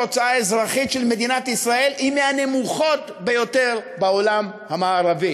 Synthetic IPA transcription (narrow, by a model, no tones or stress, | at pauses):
ot͡saaezʁaχitʃelme̞d̪inat̪isʁae̞limeane̞muχo̞t̪ | be̞jo̞t̪e̞ʁbao̞lam | hamaːʁavi